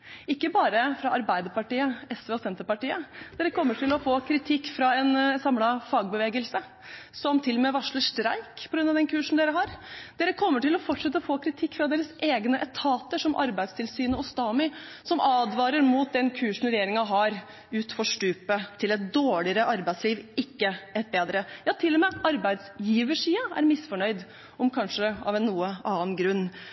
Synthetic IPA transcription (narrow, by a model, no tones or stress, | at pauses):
ɪkːəbɑːɾəfɾɑɑɾbæɪd̪əpɑʈiːəɛsʋeːɔsɛnt̪əɾpɑʈiːəd̪̥eːɾəkʰɔmːəʈʰɪlɔfoːkʰɾɪt̪ʰɪkːfɾɑɛnsɑmlɑfɑːɡ̚bəʋeːɡəlsə | sɔmt̪ʰɪlɔmɛːʋɑʂɭəʂʈɾæɪkpʰɔɡɾʉnɑʋd̪ɛnkʰʉːʂn̩d̪eːɾəɦɑɾd̪̥eːɾəkʰɔmːəʈɪlɔfɔʈːʂɛt̪ːəɔfoːkʰɾɪt̪ʰɪkːfɾɑd̪eːɾəseːɡnəʔɛt̪ʰɑːt̪əʂɔmʔɑ̰ɾbæɪst̪ʰɪlsyːnəɔst̪ɑːmɪ | sɔmɑːd̪ʋɑːɾəɾmuːt̪̚d̪ɛnkʰʉːʂn̩ɾɛjeːɾɪŋɑɦɑɾ | ʉːt̪fɔʂʈʉːpət̪ʰɪlɛt̪̚d̪oːɭɪəɾəʔɑɾbæɪt̪sliːʋɪkːəɛt̪̚beːd̪ɾəjɑːt̪ʰɪlːɔmeːʔɑɾbæɪd̪sjiːʋəʂiːəæ̰ɾmɪsfɔɳœʏd̪ | ɔmkʰɑnʂəɑ̰ʋɛnːuːəʔɑːənɡɾʉnː